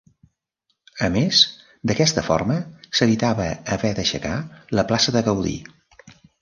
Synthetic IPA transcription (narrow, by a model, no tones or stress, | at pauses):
əmes | d̪əkɛst̪əfɔ̰ɾməsəβit̪aβəːβɛðəʃə̰kaləplasəðəɣəwðḭ